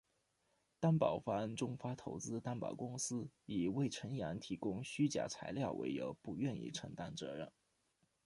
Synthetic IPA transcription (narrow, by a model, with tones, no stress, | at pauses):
t̪a˥npɑ˨˩ʊfa˧˥nʈ͡ʂʊ˥ŋfa˥t̪ʰo˧˥ʊt͡sɹ̩˥t̪a˥npɑ̰˨˩ʊkʊ˥ŋsɹ̩˥i˨˩we˥˩ɪʈ͡ʂʰə˧˥nja˧˥nt̪ʰi˧˥kʊ˥ŋɕy˥t͡ɕja̰˨˩t͡sʰa˧˥ɪljɑ˥˩ʊwʔḛ˧˥ɪjo̰˧˥ʊpu˧˥ɥɛ˥˧nḭ˥˩ʈ͡ʂʰə˧˥ŋt̪a˥nt͡sɤ˧˥ɻə˥˩n